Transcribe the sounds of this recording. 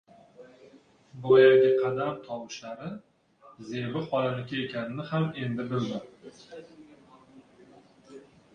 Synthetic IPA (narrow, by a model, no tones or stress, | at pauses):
bojaɡʲɪqʰɑd̪amt̪ʰɒwɪʃlaɾɪ | ze̞vɪχɒlanɪkʲae̞kʲʰanɪnɪhame̞nd̪ɪbɪlmad̪ɪ